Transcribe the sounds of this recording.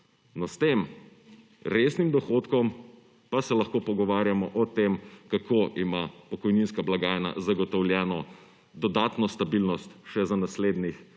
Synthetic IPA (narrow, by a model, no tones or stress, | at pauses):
nɔst̪eːm | ɾesnimd̪ɔxoːt̪kɔm | pasɛlɐxkoːpɔɡɔʋaːɾjamɔʔɔt̪eːmkakʰoʔimapɔkɔjninskablaɡaːjna̰zaɡɔt̪ɔwlʲjɛːnɔ | d̪ɔd̪aːt̪nɔst̪abilnɔst̪ʃɛzanasleːd̪nix